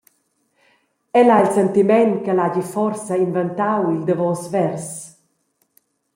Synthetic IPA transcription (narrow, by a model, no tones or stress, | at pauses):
ɛlailsɛnt̪imɛnkəlaɟifɔrsainvɛnt̪awild̪əvɔsvɛrs